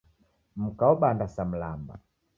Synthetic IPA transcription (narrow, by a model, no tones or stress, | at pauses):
m̩kaɔbandasam̩lamba̰